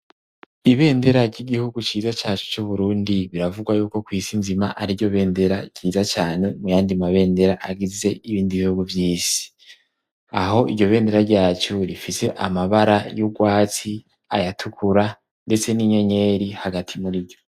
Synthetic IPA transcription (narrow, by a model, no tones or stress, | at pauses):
iβe̞ːnde̞ɾaɾɟiɡihuɡut͡ʃiːzat͡ʃaːt͡ʃu̥t͡ʃuβuɾuːndiβiɾavuɡwajuːko̞kwiːsinzimaʔaɾiɟo̞βe̞ːnde̞ɾaɟ̥iːzat͡ʃaːne̞mujaːndimaβe̞ːnde̞ɾaʔaɡize̞iβiːndiβihuɡuvjiːsi̥ | aho̞ʔiɾɟo̞βe̞ːnde̞ɾaɾɟaːt͡ʃuɾifise̞ʔamaβaɾajuɡwaːt͡si | ajatʰukʰuɾa | nde̞t͡se̞niɲo̞ɲe̞ːɾihaɡatʰimuɾiɟo̞